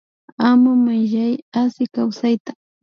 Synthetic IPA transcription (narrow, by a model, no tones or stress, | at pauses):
amʊmaʒajasɪkawsajt̪ḁ